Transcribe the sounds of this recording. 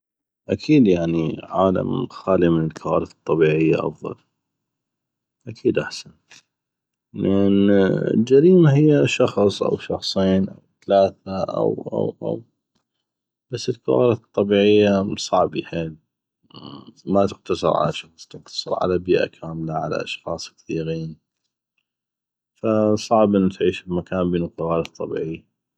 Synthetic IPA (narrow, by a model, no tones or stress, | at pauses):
ʔakʰiːd̪jaʕniʕaːla̰mxaːlimənəlkʰawaːɾɪθɨ̥t̪ˤːɑbiːʕɪjːaʔɑ̰fðˤɑ̰l | ʔakʰiːd̪ʔaħsan | lʔɪnə̰ld͡ʒaɾiːmaɦɪjːaʃɑxsˤʔa̰wʃɑxsˤiːnʔa̰wθalaːθaʔa̰wʔa̰wʔa̰w | b̥asːəlqɑ̰waːɾat̪ˤːɑbiːʕɪjːasˤɑʕbiħeːl | mat̪ɪq̚t̪ɑsˤɨɾˤʕa̰laʃɑxsˤt̪ɪqt̪ɑ̥sˤɨɾˤʕa̰labiːʔa̰kʰaːmlaʕa̰la̰ʔɑʃxɑːsˤkθiːɣiːn | fasˤɑʕbʔənːt̪ʕiːʃbmakaːmbeːnuqɑwaːɾɑt̪ˤːɑbḭːʕɪjːa